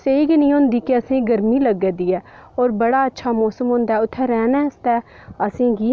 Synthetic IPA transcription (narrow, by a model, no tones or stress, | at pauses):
seiːɡinĩːɦõːnd̪iːkeəsĩːɡəɾmiːləɡeːd̪iːɛːɔːɾbəɽaːətːʃʰaːmɔːsəmɦõːnd̪aːɛːʊt̪ʰːɛːɾɛːnɛ̃ːɪst̪ɛː | əsĩːɡiː